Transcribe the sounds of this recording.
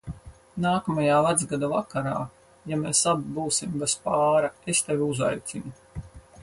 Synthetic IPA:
naːkamajaːvad̪zɡad̪avakaɾaː | jameːsabibuːsimɡaspaːɾaest̪evʲiuza̰jt̪sʲinu

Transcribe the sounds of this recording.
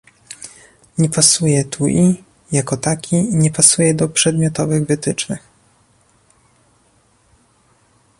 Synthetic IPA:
ɲɛpasujɛt̪ʰuʔi | jakɔt̪akʲʰiɲɛpasujɛd̪ɔpʂɛd̪mʲjɔt̪ɔvɘɣvɘt̪ɘt͡ʂnɘx

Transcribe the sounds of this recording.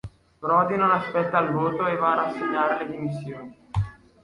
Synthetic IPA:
pɾɔd̪inonaspɛt̪ːalvoːt̪oevaːɾasːeɲːaːɾeled̪imisːjoːni

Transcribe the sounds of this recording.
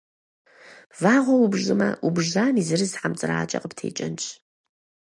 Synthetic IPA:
vaːʁʷɔubʒɨmɐʔubʒaːnizɨrɨzħamt͡sʼɨɾa̰ːt͡ʃʼɐ̰qəptʰḛːt͡ʃʼɐnt͡ʃʰʼ

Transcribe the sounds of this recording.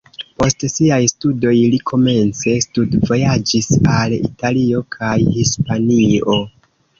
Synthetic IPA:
po̞stsiajstudo̞jlikʰo̞me̞nt͡se̞studvo̞jad͡ʒisalḭtalio̞kʰajhispanio̞

